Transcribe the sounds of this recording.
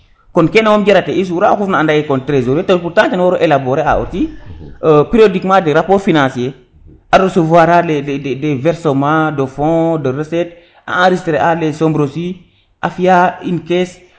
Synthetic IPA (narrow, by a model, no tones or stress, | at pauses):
kɔnkenawomɟeɾateis̬uɾaakufnaːndajekɔntɾezoɾetolpuɾtãtenwoɾoʔelaboɾea̰o̰ti | pɾiodikmadeɾapoɾfinãsie | aɾosovwaɾaleedevɛɾsomadofɔ̃dəɾəsɛt̚ | a̰ãɾisteɾeʔalesombɾosi | ʔafijainkes